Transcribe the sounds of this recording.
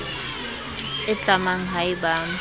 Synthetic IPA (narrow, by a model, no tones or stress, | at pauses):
ɪt͡ɬʼamaŋ̩ɦaɪbaːŋ̩